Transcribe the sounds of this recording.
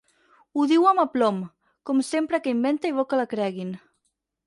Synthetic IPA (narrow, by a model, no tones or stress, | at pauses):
uðiwamaplɔm | kɔmsempɾəkəimbent̪aiβokəlakɾɛɣin